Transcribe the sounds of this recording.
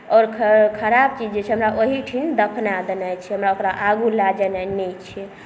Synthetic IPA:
ɔːɾkʰkʰəɾab̚t͡ʃid͡ʒet͡ʃʰɛɦəmɾaʔoɦiʈʰind̪əpʰnad̪ənat͡ʃʰɛɦəmɾaokɾaʔaɡulad͡ʒənɛnɛt͡ʃʰɛ

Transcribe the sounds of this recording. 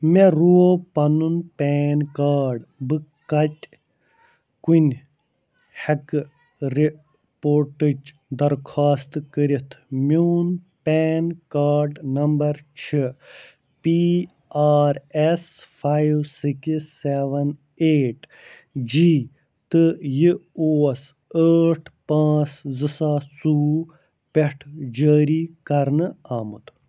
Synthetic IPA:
meɾuopɐnunpeːnkaːɾɖbɨkɐtʲ | kunʲ | hɐk | ɾi | poːɾʈid͡ʒ | d̪ɐɾkʰaːst̪kəɾit̪ʰmuːnpeːnkaːɾɖnɐmbɐɾt͡ʃʰi | pi | aːɾesfaːjiʋsikiseːʋɐn | eːʈ | d͡ʒiː | t̪ɨjioːɐs | əːʈʰpãːt͡szɨsaːsuː | peʈʰd͡ʒəːɾiːkɐɾnɨaːmut̪ʰ

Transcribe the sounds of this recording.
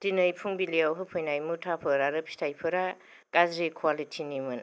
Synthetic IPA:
tinɯjpʰuŋbilijawɦɯpʰɯjnajmutʰapʰɯɾaɾɯpʰi̥tʰajpʰɯɾa | ɡ̥azɾikʰwalitʰinimɯn

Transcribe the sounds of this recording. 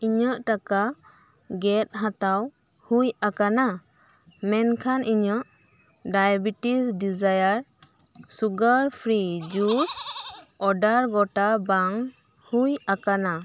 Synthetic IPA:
iɲəʔʈaka | ɡɛt̪̚ɦat̪aw | hujakana | mɛnkʰanʔiɲəʔ | ɖajabiʈisɖid͡ʒajaɾ | suɡəɾpʰɾid͡ʒusɔɖaɾɡɔʈabaŋ | hujakana

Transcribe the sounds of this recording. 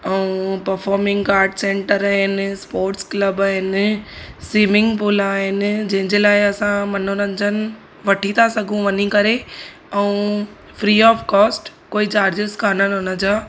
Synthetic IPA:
ɛũpɐɾfɔːɾmɪ̃ŋɡkaːɾɖsẽːɳʈəɾaːɦɪnspoːɾʈskləbaːɦɪn | siːmɪ̃ŋɡpulaːɦɪnɪ̆d͡ʑɐ̃ɦɪ̃ɲd͡ʑeːlaːɪɐsãmɐn̤onɐ̃ɲd͡ʑənɪ̆ | ʋɐʈʰit̪ʰasɐɡʱũʋɐɲikɐɾe | ɛũ | fɾiːɔːfkɔːsʈ | koːit͡ɕaːɾd͡ʑɪskʰaːnənɦʊnə̆d͡ʑaː

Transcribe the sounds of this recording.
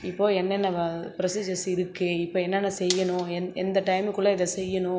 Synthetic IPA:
ɪpːoːɛnːɛnːɐpɪɾɐsid͡ʒɐsɪɾɯkːɯɪpːoːɛnːɐnːɐsɛjːɐnʊ̃ɛɛnd̪ɐʈɐɪmkʊɭːɐɪðɐsɛjːɐɳʊ̃

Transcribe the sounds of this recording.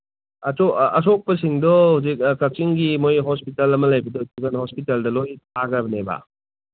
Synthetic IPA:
ɐsoɐs̬ɔk̚pɐsiŋdɔhuzik̚kɐk̚t͡ʃiŋɡimojɦɔspitɐlɐmɐlɐjbɐdɔtuɡɐnhɔspitaldɐlojt̚ʰaɡɐbɐneba̰

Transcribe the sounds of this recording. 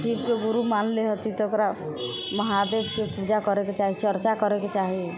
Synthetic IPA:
t͡ʃibkeɡuɾumanleɦət̪it̪ɔokɾa | məɦad̪ebkepud͡ʒakɔɾeket͡ʃaɦit͡ʃʰəɾt͡ʃakəɾeket͡ʃaɦi

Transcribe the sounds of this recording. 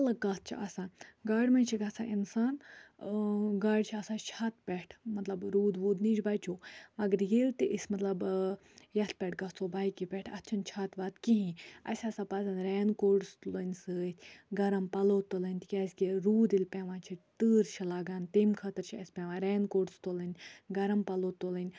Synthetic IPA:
ɐlɐkɡɐt̪̚ʰt͡ʃʰḭɐ̰sãːnɡaːɖʲmɐ̃nt͡ʃʰiɡɐsã̰ːʔinsaːn | ɡaːɖt͡ʃʰiɐsaːt͡ʃʰat̪pʲɛʈʰmɐt̪lɐbɾuːd̪ʋuːd̪nid͡ʒbaːt͡ʃʰoːmɐɡəɾjilt̪iʔisʲmɐt̪lɐb | jɐt̪̚pʲɛʈʰɡɐt͡sʰoːbaːjkʲipʲɛʈʰɐt̪t͡ʃʰɐnt͡ʃʰaːt̪ʋaːd̪kiɦĩɐ̰sʲɐsaːpɐzɐnɾɛːnkoːɖst̪ulənʲsɨːt̪ʰʲɡɐɾɐmpɐloːt̪ːulənʲt̪ikʲɐsʲkʲiɾuːd̪ilʲpʲɛʋãːt͡ʃʰit̪ɨːɾt͡ʃʰilaːɡaːnt̪eːmkʰɐt̪əɾt͡ʃʰiɐsʲpʲɛ̃ʋãːɾeːnkoːɖst̪olənʲɡɐɾɐmpɐloːt̪ːolənʲ

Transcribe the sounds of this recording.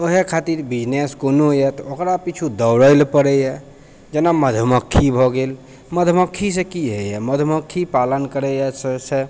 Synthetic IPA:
oɦekʰat̪iɾbid͡ʒneskonoɦjɛt̪ɔokɾapit͡ʃʰud̪əwɾəɪlpəɾɛjɛ | d͡ʒenaməd̪ʱəməkʰːibʱɔɡel | məd̪ʱməkʰːisekiɦejɛməd̪ʱməkʰːipalənkəɾɛjɛsse

